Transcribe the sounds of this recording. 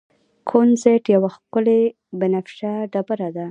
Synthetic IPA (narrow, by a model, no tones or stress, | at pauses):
kʰonzeʈjawaxkʊle | bɪnafʃaɖabəɾad̪a